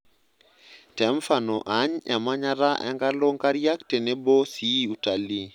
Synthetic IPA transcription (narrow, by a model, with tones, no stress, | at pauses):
tɛ˨mfa˨nɔ˨ʔa˨ɲɛ˨ma˦ɲa˦ɾa˦ʔɛ̰˨ŋɡa˦lo˦ŋka˦ɾja˦kte˨ne˦bɔ˦si˦u˨ta˨li˦